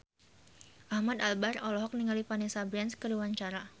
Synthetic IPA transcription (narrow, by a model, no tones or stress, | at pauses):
ʔahmad̪albarɔlɔɦɔk̚niŋalipanesabɾɛnskəɾuwaɲt͡ʃaɾa